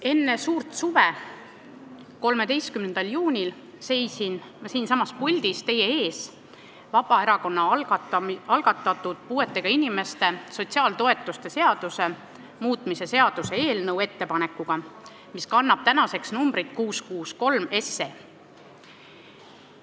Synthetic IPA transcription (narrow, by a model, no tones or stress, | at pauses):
e̞nːe̞suːrt̪suve | ko̞lme̞d̪ejst̪kymnend̪̥ɑljuːnʲil | se̞jsin | mɑsiːnsɑmːɑspulʲd̪̥ist̪e̞je̞e̞ːs | vɑb̥ɑe̞ɾɑko̞nːɑlɑɑlɡ̥ɑt̪ːˑɑt̪ːˑud̪̥puːe̞t̪ːˑe̞ɡ̥ɑinime̞st̪e̞so̞t̪ʲsiɑːlt̪o̞e̞t̪ːˑust̪e̞se̞ɑd̪̥use̞ | muːt̪ˑmise̞se̞ɑd̪̥use̞e̞ːlnɤwe̞t̪ːe̞pɑne̞kːˑuɡ̥ɑ | miskɑnːɑb̥̚t̪ænɑse̞ksnumb̥ɾit̪kuːskuːsko̞lme̞sːe